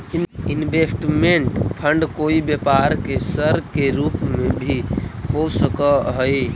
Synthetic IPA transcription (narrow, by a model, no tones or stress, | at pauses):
inbʱesʈmeɳʈpʰəɳɖkoibjəpaɾkesəɾkeɾupmẽbʱihosəkəɦəj